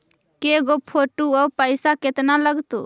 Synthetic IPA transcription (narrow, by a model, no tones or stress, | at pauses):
keɡopʰoːʈuɔpəɪsaket̪naləɡt̪o̰ː